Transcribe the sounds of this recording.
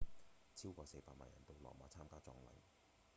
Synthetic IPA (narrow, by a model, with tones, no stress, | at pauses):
t͡sʰiː˥wkʷɔː˧se˧jpaː˧k̚maː˨njɐ̰˨˩nt̪o˧wlɔ̰ː˨˩mɔː˨˧t͡sʰaː˥mkaː˥t͡sɔː˧ŋlɐ̰˨˩ŋ